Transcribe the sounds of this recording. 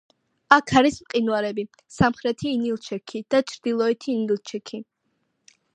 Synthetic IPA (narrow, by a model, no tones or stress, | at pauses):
akʰaɾismqʼinwaɾɛbi | samχɾɛt̪ʰiːnilˠt͡ʃʰɛkʰid̪̥at͡ʃʰɾd̪̥ilˠɔɛt̪ʰiːnilˠt͡ʃʰɛkʰi